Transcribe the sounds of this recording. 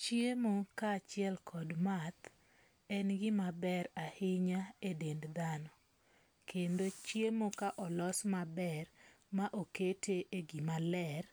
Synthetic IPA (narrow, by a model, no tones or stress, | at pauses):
t͡ʃjemokaːt͡ʃɪɛlkʰɔdmat̪ | ɛnɡɪmabɛɾahɪɲaedendd̪anɔ | kʰendot͡ʃjemokaʔɔlɔsmabɛr | maʔoketʰeʔeɡimalɛr